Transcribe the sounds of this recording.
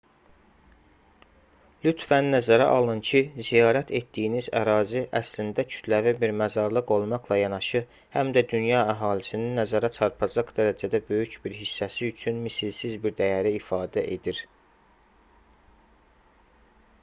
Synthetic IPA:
lyt̪vænnːæzæɾæʔɑlˠɯncʰizijɑːɾæt̪ʰe̞t̪d̪̥ijinizæ̰ɾɑːziʔæslind̪æcʰy̥t̪ʰlævibiɾmæzɑɾlˠɯqo̞lˠmɑqlˠɑjɑnɑʃɯ | hæmd̪æd̪ynjɑæɦɑːlisininːæzæɾæt͡ʃʰɑɾpʰɑd͡ʒɑqd̪æɾæd͡ʒæd̪æbø̞jycbiɾɦisːæsiyt͡ʃʰynmisilsizbiɾd̪æjæɾiifɑːd̪æʔe̞d̪iɾ

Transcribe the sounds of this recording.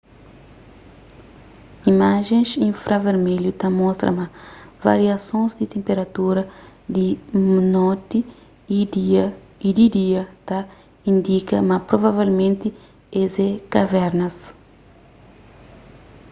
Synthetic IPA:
imaʒẽsĩɱfɾʔaveɾmeljut̪ɐmɔst̪ɾɐ̰mɐva̰ɾiɐsõnzd̪it̪ẽmpeɾɐt̪uɾɐd̪inot̪i | d | id̪id̪iɐt̪a | ĩnd̪ikɐmapɾovavelmẽnt̪i | ezɛkavɛɾnɐs

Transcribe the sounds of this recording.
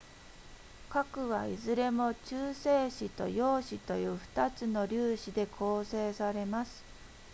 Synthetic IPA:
kakɯ̟ɡa̰ḭzɨɾe̞mo̞t͡ɕɨːseːɕit̪o̞̰jo̞ːɕit̪o̞jɯ̟ːɸɯ̟̥t̪at͡sɨno̞ɾʲɨːɕid̪e̞kʰo̞ːse̞ːsaɾe̞masɨ̥

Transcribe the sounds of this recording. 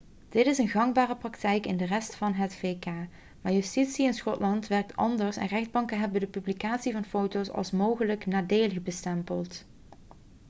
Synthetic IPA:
d̥ɪtɪsənɣɑŋbaːrəprɑktɛjkɪndərɛstfɑnɦətfeːkaː | maːɹjystitsiɪnsχɔtlɑntʋɛrk̚tʰɑ̰ndəɹsɛ̰nrɛχd̚bɑŋkənɦɛbəndəpyblikaːtsivɑnfowtowsɑ̰lˠsmowχələknaːdejlˠəxbəstɛmpəlˠt

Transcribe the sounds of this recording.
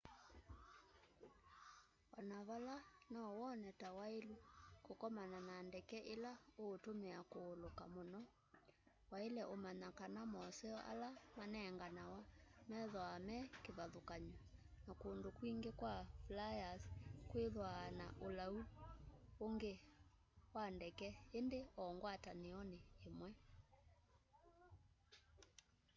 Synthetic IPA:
anaβalanaɔwɔnɛtawaelukokɔmananaːndɛkɛʔelaoːtomeakoːlokamonɔ | waelɛʔomaɲakanamɔsɛɔʔa̰lamanɛŋɡanawamɛðɔamɛkeβaðokaɲɔnakondokwiŋɡekwaflajaskweðwana̰ʔolau | oŋɡe | wandɛkɛendeɔŋɡwataneɔneːmwɛ

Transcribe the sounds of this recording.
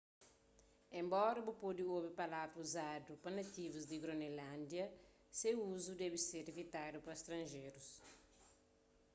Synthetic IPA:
ẽmbɔɾɐbupod̪iobipɐlat̪uzad̪upɐnɐt̪ivuzd̪iɡɾonelɐ̃nd̪jɐ | sewuzud̪ɛbiseɾivit̪ad̪upɐst̪ɾɐ̃ʒeɾus

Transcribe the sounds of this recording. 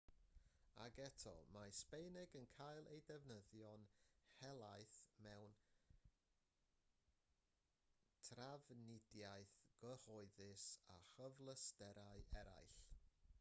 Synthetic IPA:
a̰ɡɛtʰɔ̰maspejnɪɡənkʰajlˠḛjdɛvnəðjɔnhɛlˠajθmɛwn | tʰravnɪdjajθɡ̥əhɔɨðɪsaχəvlˠəstɛɾaɨʔɛɾa̰jɬ

